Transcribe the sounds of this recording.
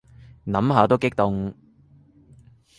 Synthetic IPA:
nɐ˨˥mɦaː˨˧t̪o˥wkɪ˥k̚t̪ʊ˨ŋ

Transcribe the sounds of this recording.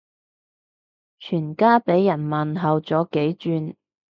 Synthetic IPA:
t͡ʃʰyː˨˩nkaː˥pe˨˥jːɐ˨˩nmɐ˨nɦɐ˨wt͡sɔː˨˥ke˨˥jt͡ʃyː˧n

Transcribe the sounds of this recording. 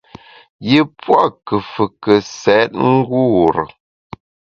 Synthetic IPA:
je˨pwa˦˨kə˨fə˨kə˨sɛ˨˦t̚ŋ̩˦ɡu˦˨ɾə˨

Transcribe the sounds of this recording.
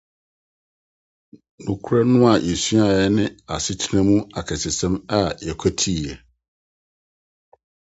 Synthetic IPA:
nʊ̃˨kʰʊ˦ɾɛ˦nʊ̃˦a˨jɛ˨su˦a˨jɛ˦nɪ̃˦a̰˨sɪ˦tʰi˦nã˦mũ˦a˨kʰɛ˨sɪ˨sɛ̃˦ma˦˨jɛ˨kʰæ˦tʰi˦˨ɛ˨

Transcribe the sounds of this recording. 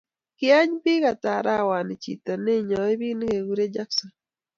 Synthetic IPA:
kɪ˦a˦ɲbi˦ɣa˨ta˨ɾa˦wa˨nɪ˨t͡ʃḭ˨t̪ɔ˨ne˦ɲɔ˨i˦βi˦n˦ɡe˨ɡu˦ɾe˦d͡ʒa˦ksɔ˨n

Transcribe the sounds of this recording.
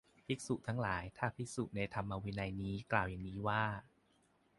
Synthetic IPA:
pʰi˦˥k̚su˨˩ʔt̪ʰa˦˥ŋlaː˩˦jt̪ʰaː˥˩pʰi˦˥su˨˩t̪̚na˧jt̪ʰa˧mʔa˧wiː˧na˧jniː˦˥klaː˨˩wja˨˩ŋniː˦˥waː˥˩

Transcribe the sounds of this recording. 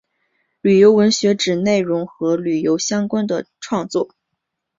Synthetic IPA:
ly˨˩jo˧˥ʊwə˧˥nɕɥɛ˧˥ʈ͡ʂɻ̩˨˩ne˥˩ɪɻʊ˧˥ŋxɤ˧˥ly˨˩jo˧˥ʊɕjɑ˥ŋkwa˥nd̪ə˨ʈ͡ʂʰwɑ˥˧ŋt͡swɔ˥˩

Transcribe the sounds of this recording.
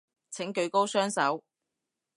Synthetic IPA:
t͡sʰɪ˨˥ŋkɵ˨˧ɥko˥wsœː˥ŋsɐ˨˥w

